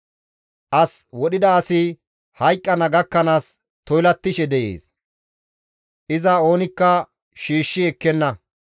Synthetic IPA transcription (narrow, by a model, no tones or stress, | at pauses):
ʔɐswɔɗɪd̪ɐːsɪ | hɐjkʼːɐnɐɡɐkːɐnaːs | t̪ɔjlɐt̪ːɪʃɛd̪ɛjḛːs | ʔɪzɐo̞ːnɪkːɐ | ʃiːʃːɪɛkːɛnːɐ